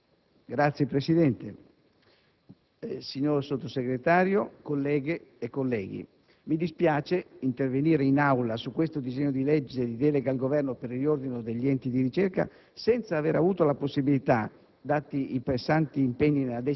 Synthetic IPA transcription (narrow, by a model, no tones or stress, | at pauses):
ɡɾat̪sːjepɾesid̪ɛnt̪e | siɲːoɾsot̪ːoseɡɾet̪aːɾjokolːɛːɡeːkːolːɛːɡḭ | mid̪ispjaːt͡ʃeint̪erveniːɾeinawlasukːwest̪od̪izɛɲːod̪ilɛd͡ʒːed̪id̪ɛːleɡalɡovɛrnopeɾilord̪inod̪eʎːiɛnt̪id̪iɾit͡ʃɛrka̰ | sɛnt̪saːveɾavuːt̪olaposːibilit̪a | d̪at̪ːiipɾesːant̪iːmpeɲːinelad̪ɛ